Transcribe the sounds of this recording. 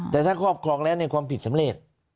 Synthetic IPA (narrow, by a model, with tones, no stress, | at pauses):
t̪ɛː˨˩t̪ʰaː˥˩kʰɔː˥˩p̚kʰɾɔː˧ŋlɛː˦˥˩wna˧jkwaː˧mpʰi˨˩t̪̚sa˩˦mɾe˨˩t̪̚